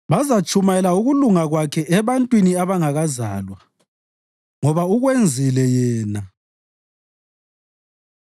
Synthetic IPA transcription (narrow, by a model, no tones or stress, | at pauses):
βazat͡ʃʰʼumajɛlauɣuluŋaɣwakʰɛʔɛβantʼwiniaβaŋaɣaza̰ːlwa | ŋɔβauɣwend͡zʱilɛjɛːna